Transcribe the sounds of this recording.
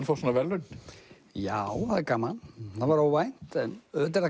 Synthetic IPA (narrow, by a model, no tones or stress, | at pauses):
nfawsɔnavɛlːʏ | jaːwhaðɪɾkaːmalaðvaɾawvajn̥t̪ɛnœt̪ɪɾða